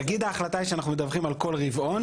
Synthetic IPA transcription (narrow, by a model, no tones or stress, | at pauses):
aɡid̪aːχlat̪aiʃeanaχnumed̪avχimalko̞lʁivʔo̞n